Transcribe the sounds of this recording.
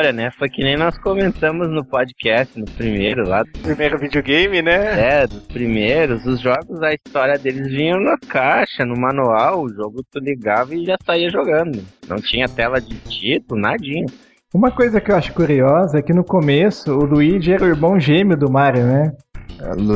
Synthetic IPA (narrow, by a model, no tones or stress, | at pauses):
ɔɾɐnɛfojkɪnẽj̃nɔskõmẽnt̪ɐ̃mʊznʊpɔd͡ʒikɛst͡ʃɪnʊspɾimeɾʊla̰ʊpɾimejɾʊvid͡ʒioɡẽjmɪnɛɛd̪ʊspɾimejɾʊzʊzʒɔɡʊzɐist̪ɔɾjɐd̪elɪzvĩɲɐ̃w̃nɐkaʃɐnʊmɐ̃nuawʊʒoɡʊɪt̪uliɡavɐɪʒasaiɐʒoɡɐ̃nd̪ʊnɐ̰̃w̃t͡ʃĩɲɐt̪ɛlɐd͡ʒɪt͡ʃit̪ʊlʊnad͡ʒĩɲʊ | ũmɐkojzɐkɪewaʃʊ̥kuɾiɔzɐkɪnʊkomesʊːluid͡ʒɪɛɾɐiɾmɐ̃w̃ʒẽmjʊd̪ʊmaɾjʊnɛ | l